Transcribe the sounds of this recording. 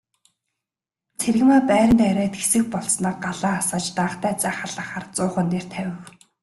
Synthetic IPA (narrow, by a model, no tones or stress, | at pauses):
t͡sʰerɣɘ̆maːpæːɾʲə̆nt̪æɾʲæːt̪ɡesɘ̆x̚pɔɮsnaːɢaɮaːasaːt͡ɕt̪aːχt̪æːt͡sæːχaɮə̆χaːrt͡sʊːχə̆nt̪eːr̥t̪ʰæwʲɪ̆w